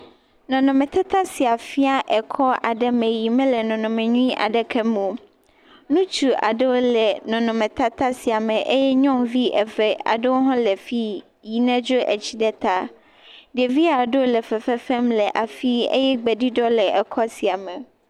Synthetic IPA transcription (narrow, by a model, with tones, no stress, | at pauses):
nɔ̃˨nɔ̃˨mɛ̃˨t̪a˦t̪a˦si˨a˨fi˦a˦ʔɛ˨kʰɔ˦ʔa˨ɖɛ˦mɛ̃˨ji˨mɛ̃˦lɛ˨nɔ̃˨nɔ̃˨mẽ˨ɲũ˦ĩ˦ʔa̰˨ɖɛ˨kʰɛ˦mũ˨ | nũ˦t͡ʃu˨ʔa̰˨ɖɛ˦wo˦lɛ˨nɔ̃˨nɔ̃˨mɛ̃˨t̪a˦t̪a˦si˨a˨mɛ̃˨ʔe˦jɛ˦ɲɔ̃˦mvi˦ɛ˨vɛ˨a̰˨ɖe˦wo˦ɦɔ̃˦lɛ˨fi˦ | ji˨nɛ̃˦d͡ʒo˦ʔɛ˨t͡ɕi˦ɖɛ˦t̪a˦ | ɖe˨vi˦a˨ɖo˦lɛ˨fɛ˨fɛ˦fɛ˦mlɛ˨ʔa˨fi˦ḛ˦jɛ˦ɡ͡bɛ˨ɖi˦ɖɔ˦lɛ˨ʔɛ˨kʰɔ˦si˨a˨mɛ̃˨